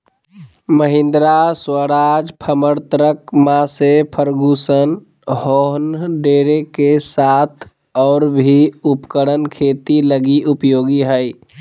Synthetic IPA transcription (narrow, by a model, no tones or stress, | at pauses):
məɦɪ̃nd̪ɾaswəɾad͡ʒpʰəməɾt̪ɾəkmãsepʰəɾɡusən | hoɦnɖeɾekesat̪ʰ | ɔːɾbʱiupkəɽənkʰet̪iləɡiʔupjoɡiɦəj